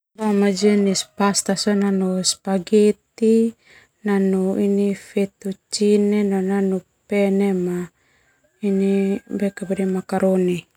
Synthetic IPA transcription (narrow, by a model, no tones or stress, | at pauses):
damad͡ʒɛnispast̪asananuspaɡet̪i | nanuinifɛt̪ut͡ʃinenananu | pɛnema | inibɛkabɛdɛmakaɾoni